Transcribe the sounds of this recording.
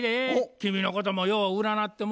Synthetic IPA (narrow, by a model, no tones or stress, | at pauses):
ɾekʲimʲino̞ko̞t̪̬omojoːβaɯ̟ɾanat̪ːe̞m